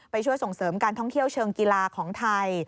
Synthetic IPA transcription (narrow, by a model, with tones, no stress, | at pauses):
pa˧jt͡ɕʰu˥˩əjso˨˩ŋsɤː˩˦mkaː˧nt̪ʰɔ˥˩ŋt̪ʰi˥˩əwt͡ɕʰɤː˧ŋkiː˧laː˧kʰɔː˩˦ŋt̪ʰa˧j